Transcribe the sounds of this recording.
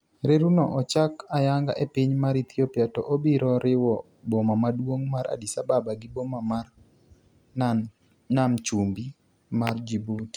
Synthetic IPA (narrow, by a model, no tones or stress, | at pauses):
ɾeɾunɔʔɔt͡ʃakajaŋɡa̰ʔepiɲmaɾit̪ʰiopiatɔʔobiɾɔɾɪwɔ | bɔmamadwoŋmaɾʔa̰disababaɡɪbomama | namt͡ʃumbi | mard͡ʒibuti̥